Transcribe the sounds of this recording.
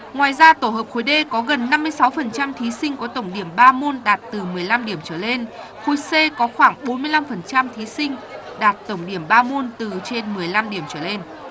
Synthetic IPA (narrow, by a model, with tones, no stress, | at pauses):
ŋwaː˨˩jzaː˧t̪o˧˩ɦəː˨˩p̚xo˨˦jɗe˧kɔ˨˦ɣə˨˩nːa˧mːɨ˧əjsa˨˦wfə˨˩nt͡ɕa˧mt̪ʰi˨˦sï˧ŋ̟kt̪ə˧˩wŋ͡mɗi˧˩əmɓaː˧mo˧nɗaː˨˩t̚t̪ɨ˨˩mɨ˨˩əjla˧mɗi˧˩əmt͡ɕəː˧˩le˧n | xo˧˩jse˧kɔ˨˦xwaː˧˩ŋɓo˨˦nmɨ˧jla˧mfə˨˩nt͡ɕa˧mt̪ʰi˨˦sï˧ŋ̟ | ɗaː˨˩t̚t̪ə˧˩wŋ͡mɗi˧˩əmɓaː˧mo˧nt̪ɨ˨˩t͡ɕe˧nmɨ˨˩əjla˧mɗi˧˩əmt͡ɕəː˧˩le˧n